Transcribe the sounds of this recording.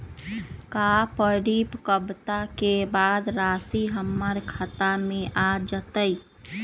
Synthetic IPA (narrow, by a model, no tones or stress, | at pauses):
kapəɽipkəbt̪akebad̪ɾasiɦəmːəɾkʰat̪ameʔad͡ʒət̪əj